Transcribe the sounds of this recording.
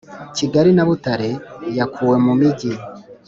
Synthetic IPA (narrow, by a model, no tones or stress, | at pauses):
ciɡaɾinaβutaɾe̞jakʰuːwe̞mumiɟi